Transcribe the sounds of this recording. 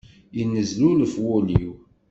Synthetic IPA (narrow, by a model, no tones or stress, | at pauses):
inːəzluləfwʊliw